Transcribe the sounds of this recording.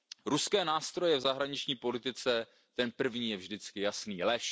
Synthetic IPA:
ɾuskɛːnaːst̪ɾo̞jɛvzaɦɾaɲɪt͡ʃɲiːpo̞lɪt̪ɪt͡sɛ | t̪ɛnpr̩vɲiːjɛvʒdɪt͡skɪjasniːlɛʃ

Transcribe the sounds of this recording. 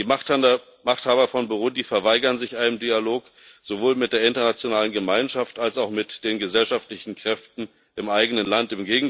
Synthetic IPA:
iːma | maχthaːbɐfɔnboʁʊdifɛɐvaɪɡɐnzɪçʔaɪnəmdialoːk | z̥ovoːlmɪt̚d̥eːɐɪntɐnat͡sjonaːlənɡəmaɪnʃaftalsaʊxmɪtd̥eːnɡəzɛlʃaftlɪçn̩kʁ̥ɛftn̩ | ʔɪmʔaɪɡənənlantɪmɡeːɡŋ̩

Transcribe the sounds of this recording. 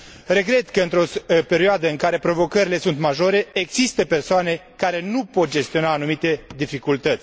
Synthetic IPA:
re̞ɡɾe̞t̪kəɨnt̪ɾo̞spe̞ɾioad̪əɨŋkaɾe̞pɾo̞vo̞kəɾile̞sunt̪maʒo̞ɾe̞eɡzist̪əpe̞rsoane̞kaɾe̞nupo̞t̪̚d͡ʒe̞st̪io̞naːnumit̪e̞d̪ifikult̪ət̪sʲ

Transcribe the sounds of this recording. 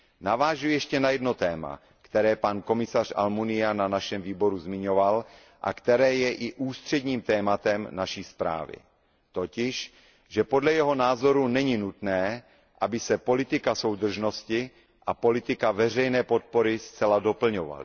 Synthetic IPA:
navaːʒujɛʃcɛnajɛdno̞t̪ɛːma̰ | kt̪ɛɾɛːpanko̞mɪsar̝̥a̰lmunɪananaʃɛmviːbo̞ɾuzmɪɲo̞val | ʔa̰kt̪ɛɾɛːjɛʔɪʔuːst̪r̝̥ɛdɲiːmt̪ɛːmat̪ɛmnaʃiːspɾa̰ːvɪ̰ | t̪o̞cɪʃ | ʒɛpo̞dlɛjɛɦo̞naːzo̞ɾunɛɲinut̪nɛː | ʔabɪsɛpo̞lɪt̪ɪkaso̞wd̪r̩ʒno̞scɪ | ʔapo̞lɪt̪ɪkavɛr̝ɛjnɛːpo̞t̪̚po̞ɾɪst͡sɛlado̞pl̩ɲova̰l

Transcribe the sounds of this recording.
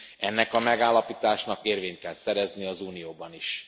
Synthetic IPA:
ɛnːɛkɒmɛɡaːlːɒpiːt̪aːʃnɒkeːrveːɲt̪̚kɛlsɛɾɛzniɒzuːnijoːbɒniʃ

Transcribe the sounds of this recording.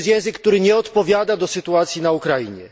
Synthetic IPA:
st̪jɛ̃w̃zɘk̚ːt̪uɾɘɲɛɔt̪pɔvʲjad̪ad̪ɔsɘt̪uat̪sʲjinaukɾajiɲɛ̰

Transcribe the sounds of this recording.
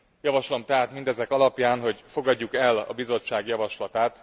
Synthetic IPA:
jɒvɒʃlo̞mt̪ɛɦaːt̪mind̪ɛzɛkɒlɒpjaːnɦo̞ɟfo̞ɡɒɟːukɛlɒ̰bizo̞t͡ʃːaːɡjɒvɒʃlɒt̪aːt̪

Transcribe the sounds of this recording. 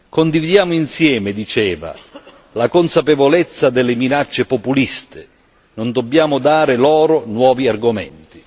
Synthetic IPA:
kond̪ivid̪jaːmʊinsjɛːmɪd̪it͡ʃɛːva̰ | lakonsapevolɛt̪sːad̪ɪlːɪminat͡ʃːepopulist̪ʰɪ | nond̪obːjaːmʊd̪aːɾɪlɔːɾʊnwɔːviarɡʊmɛ̰nt̪i̥

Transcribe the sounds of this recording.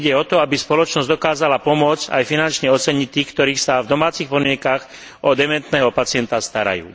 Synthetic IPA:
ɟɛɔt̪ɔabispɔlɔt͡ʃnɔzd̪ɔkaːzalapɔmʊɔd͡za̰jfinant͡ʃɲɛɔt͡sɛɲict̪ːiːxkt̪ɔɾiːxsavd̪ɔmaːt͡sixpɔd̪mɪɛŋkax | ʔɔd̪ɛmɛnt̪nɛːɦɔpat͡sɪɛnt̪ast̪aɾa̰jṵː

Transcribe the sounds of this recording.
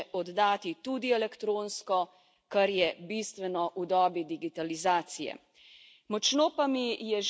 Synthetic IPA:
ʔɔd̪ːaːt̪it̪ud̪iɛlɛkt̪ɾoːnskɔ | kaɾjɛbist̪ʋɛnɔʔud̪ɔːbid̪iɡit̪alizaːt̪sijɛ̰ | mɔt͡ʃnoːpamijɛʒ

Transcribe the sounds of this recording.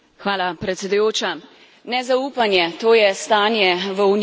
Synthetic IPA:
xʋaːlapɾɛt̪sʲɛd̪ujoːt͡ʃa | nɛzaupanjɛt̪oːjɛst̪aːnjɛʋəun

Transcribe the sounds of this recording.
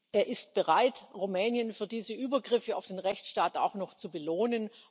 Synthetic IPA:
ʔeːɐʔɪst̚b̥əʁaɪtʁumɛːnjənfyːɐdiːzəʔyːbɐɡʁɪfəa̰ʊfd̥eːnʁɛçt͡sʃtaːta̰ʊxnɔxt͡subəloːnən

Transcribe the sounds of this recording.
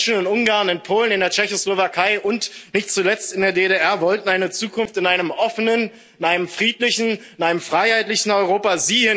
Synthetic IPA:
ʃnʊntʔʊŋɡaːɐnɪnpʰoːlənɪndeːɐt͡ʃɛçoslovakʰaɪʔʊntnɪçt̚t͡sulɛt͡stɪndeːɐdeːdeʔɛɐvɔltn̩aɪnət͡suːkʰʊnftɪnʔaɪnəmʔɔfənən | ɪnaɪnəmfʁ̥iːtlɪçn̩ɪnʔaɪnəmfʁ̥aɪhaɪtlɪçn̩ɔʏʁ̞oːpaziːɪ

